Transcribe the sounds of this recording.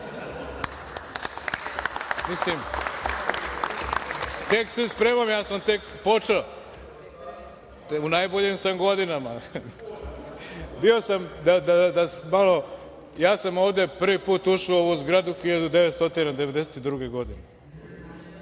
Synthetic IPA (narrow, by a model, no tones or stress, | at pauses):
mislim | t̪eksespɾeːmamjaːsamt̪e̞kpo̞t͡ʂeo | unajboʎimsamɡo̞d̪inama | bio̞samd̪ad̪ad̪asmalo̞ | jaːsamoːʋd̪e̞pr̩ʋipuːt̪uʃioʋuzɡɾad̪uxiʎad̪ud̪eʋet̪st̪ot̪inad̪eʋe̞d̪e̞set̪id̪ɾuɡeɡo̞d̪ine